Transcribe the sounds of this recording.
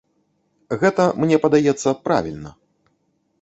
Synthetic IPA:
ɣɛt̪ɐmnʲɛpɐd̪ajɛt̪sːɐpɾa̰vʲilʲnɐ̰

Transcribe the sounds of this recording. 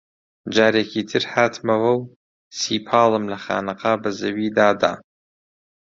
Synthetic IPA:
d͡ʒaɾekʲʰitʰɨrħatʰmawaw | sipʰaːlɨmlaχa̰ːnaqʼabazaɥidada̰

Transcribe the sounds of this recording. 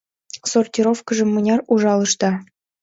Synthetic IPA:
sortʲiɾofkɤ̆ʐɘ̆mːɤ̆nʲɑruʐɑlˠɤ̆ʃt̪ɑ

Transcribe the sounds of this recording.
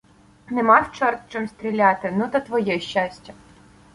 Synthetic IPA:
nɛmɑʃt͡ʃɔrt̪t͡ʃɔmst̪ʲɾʲilʲat̪ɪnʊt̪ɐt̪ʋɔjɛʃʲt͡ʃasʲtʲɐ

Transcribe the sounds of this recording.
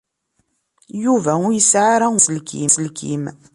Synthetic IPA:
juvæʊjəsʕaɾasəlkʰḭslkʰḭm

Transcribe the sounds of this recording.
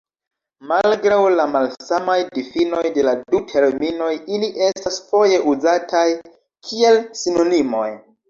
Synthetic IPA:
malɡɾawlamalsamajdifino̞jde̞ladutʰe̞ɾmino̞jiliʔe̞stasfo̞je̞ʔuzataj | kʰie̞lsino̞nimo̞̰j

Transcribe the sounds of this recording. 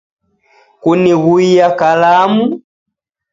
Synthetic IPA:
kuniɣuijakalamu

